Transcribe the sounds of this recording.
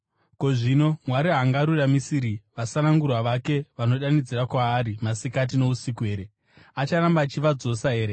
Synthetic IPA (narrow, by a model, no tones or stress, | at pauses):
ko̞ʐino̞mwaɾiɦaŋɡaɾuramisiɾiʋasanaŋɡurwaʋake̞ʋano̞ɗanid͡ziɾakwaːɾimasikat̬ino̞usikue̞ːɾe | at͡ʃaɾambaːt͡ʃiʋad͡zo̞saɦe̞ːɾe